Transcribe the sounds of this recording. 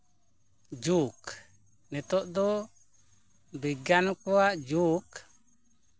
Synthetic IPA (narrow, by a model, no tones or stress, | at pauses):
d͡ʒuk | nɛt̪ɔʔd̪ɔ | biɡankuaʔd͡ʒuk